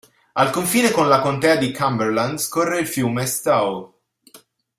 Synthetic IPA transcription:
alkoɱfiːnekonlakont̪ɛːad̪ikʰamberland̪skorːeilfjuːmest̪aw

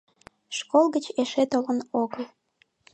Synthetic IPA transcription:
ʃkolˠɣət͡ɕeʃet̪olənoɣəl

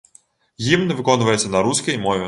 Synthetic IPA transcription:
jimnɛʋɪkɔnʋɐjɛt̪sʲːɐnɐɾusʲkɐjmɔvʲɛ

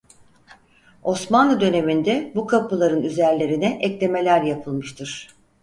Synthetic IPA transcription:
o̞smanlˠɯd̪ø̞ne̞mind̪ɛbukʰapɯlˠaɾɯnyzæɾlʲe̞ɾinɛʔɛclʲe̞me̞lʲæɾjapʰɯlˠmɯʃt̪ʰɯɾ̥

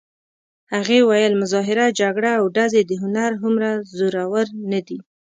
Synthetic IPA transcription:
haɣewajəlmʊzɑɦɪɾad͡ʒaɡɽaːwɖazed̪əɦʊnaɾɦʊmɾazoɾawəɾnad̪i

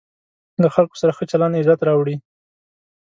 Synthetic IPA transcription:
d̪əxalko̥saɾaxət͡ʃalanɪzat̪ɾɑwɽi

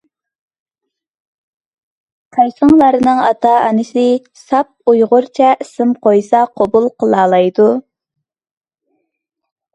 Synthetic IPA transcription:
t̪ʰɑjsəŋlˠɑɾɨnɨŋɑt̪ʰɑ̰ːnɨsɪ | sɑp̚ujʁʊɾt͡ʃʰɛɪsɪmqʰojsɑqʰobulˠqʰəlˠɑːlˠɑjd̪u

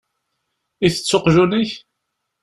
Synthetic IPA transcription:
iθə̥t͡sːoqʒuniç

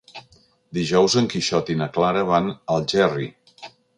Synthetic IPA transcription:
d̪iʒɔwzəŋkiʃɔt̪inəklaɾəβanəlˠʒɛrḭ

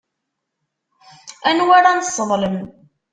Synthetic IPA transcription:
ænwaɾanəsˤːəðˤləm

